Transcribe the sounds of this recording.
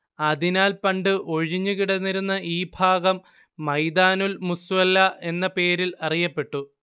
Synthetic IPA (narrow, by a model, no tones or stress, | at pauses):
ɐd̪inaːlpɐɳɖɨʔoɻiɲːuɣiɽɐnːiɾunːɐʔiːbʱaːɡɐmː | ɐjd̪aːnulmusʋɐlːɐʔe̞nːɐpe̞ːɾilɐrijɐpːe̞ʈːu